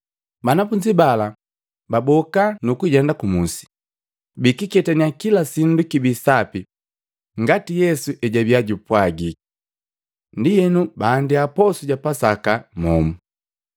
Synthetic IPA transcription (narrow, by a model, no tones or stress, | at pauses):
banafuɲd͡ʒibala | babɔkanukuɟɛndakumusi̥ | bikikɛtaniakilasindukibisapi | ŋɡatijɛsuʔɛɟabiaɟupwaɡi | ndijɛnubaːndiapɔsuɟapasakamɔ̰mu